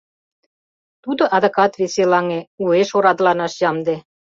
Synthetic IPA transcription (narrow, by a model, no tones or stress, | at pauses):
t̪ud̪ŏʔɑd̪ɤ̆kɑt̪βeselɑŋeueʃoɾɑd̪lɑnɑʃjɑmd̪e